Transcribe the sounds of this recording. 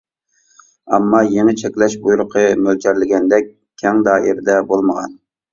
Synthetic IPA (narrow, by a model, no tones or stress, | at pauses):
ɛ̰mːɑjeŋɛt͡ʃʰɛkʲlɛʃbujuɾʊqʰəmølt͡ʃʲʰæɾlɪɡʲɛnd̪ɛk̚ʲ | kʲʰːɛŋd̪ɑːʔiɾd̪ɛbolˠməʁɑ̰n